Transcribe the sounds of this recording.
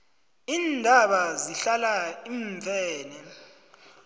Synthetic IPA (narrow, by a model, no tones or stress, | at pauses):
iːndʱaɓaziɬalaiɱvʱɛːnɛ